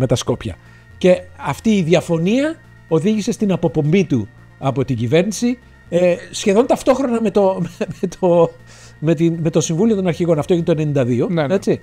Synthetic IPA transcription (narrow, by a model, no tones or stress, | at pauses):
me̞t̪ɐsko̞pçɐ̰ | ce̞ɐft̪iːðiɐfo̞niɐ | o̞ðiʝise̞st̪inɐpo̞po̞mbit̪u | ɐpo̞t̪iɟive̞ɾnisi | esçe̞ðo̞nt̪ɐft̪o̞xɾo̞nɐme̞t̪o̞memet̪ʰo | met̪inme̞t̪o̞siɱvulio̞t̪onɐɾçiɣo̞nɐft̪oint̪oene̞nind̪ɐðio̞ne̞t͡si